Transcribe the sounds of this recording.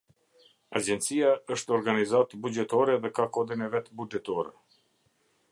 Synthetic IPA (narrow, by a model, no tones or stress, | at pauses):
ad͡ʒɛnt̪t͡sijaəʃt̪ɔɾɡanizat̪bud͡ʒɛt̪ɔɾɛðɛkakɔd̪inɛvɛt̪bud͡ʒɛt̪ɔɾɛ̰